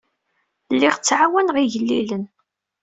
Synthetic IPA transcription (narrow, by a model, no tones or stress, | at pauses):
lːiʁt͡sːʕawænʁiʝəlːilən